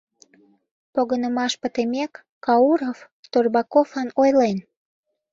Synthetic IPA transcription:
poɣənəmɑʃpət̪emekː | ɑuɾof | t̪orbɑkofɑnojlen

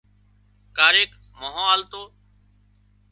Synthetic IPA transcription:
kaːɾeːk | moːɦõːaːlt̪oː

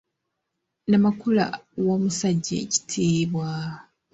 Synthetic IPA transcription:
namakula̰womusaɟːa̰ci̥tʰeːβwa

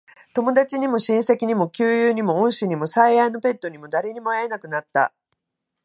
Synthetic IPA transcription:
t̪o̞mo̞d̪at͡ɕiɲ̟imo̞ɕĩɰ̃se̞kʲiɲ̟imo̞kʲɨːjɯːɲ̟imo̞õɰ̃ɕiɲ̟imo̞saiaino̞pe̞t̪ːo̞ɲ̟imo̞d̪aɾe̞ɲ̟imo̞aenakɯ̟nat̪ːa̰

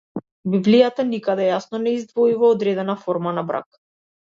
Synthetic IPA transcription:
biblijat̪anikad̪ɛjasnɔnɛizd̪vɔivɔːd̪ɾɛd̪ɛnafɔɾmanabɾa̰k

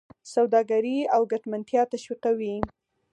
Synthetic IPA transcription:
sawd̪ɑɡaɾiawɡaʈmant̪jɑt̪aʃwiqawi

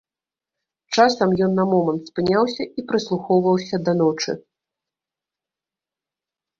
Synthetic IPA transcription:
t͡ʂasɐmjɔnːɐmɔmɐnt̪spɨnʲawsʲɐipɾɨslˠuxɔwvɐwsʲɐd̪ɐnɔt͡ʂɨ̰

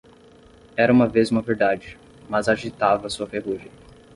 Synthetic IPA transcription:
ɛɾɐũmɐvezũmɐveɾd̪ad͡ʒɪ | mɐzaʒit̪avɐsuɐfeɦuʒɐ̃

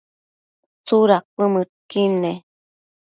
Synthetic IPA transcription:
t͡suɾak̚ʷəmɨt̚kine

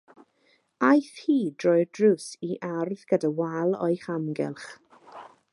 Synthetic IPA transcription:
ajθhiːd̥rɔjdrʊsiʔarðɡ̥ədawalˠɔ̰ɨχamɡɛ̰lˠχ

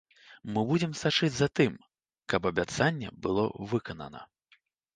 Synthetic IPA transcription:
mɨbud͡zʲɛmsat͡ʂɨd͡zʲzat̪ɨm | kɐpɐbʲat̪sanʲːɛ̰bɨlˠɔ̰vɨkɐnɐ̰nɐ̰

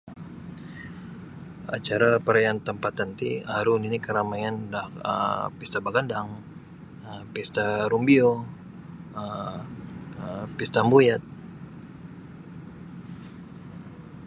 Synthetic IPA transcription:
at͡ʃaɾapəɾajant̪əmpat̪ant̪iaɾuninikəɾamajandahə̰pist̪abaɡandaŋ | əpist̪aɾumbio | ə | pist̪ambujat̪̚

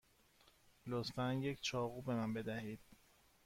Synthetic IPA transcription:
lot̪fænjecʰt͡ʃʰɒːɣuːbe̞mænbe̞d̪æhiːd̪̥̚

